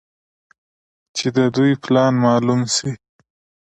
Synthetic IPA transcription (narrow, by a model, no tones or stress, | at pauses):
t͡ʃed̪əd̪ujplɑnmɑlumsi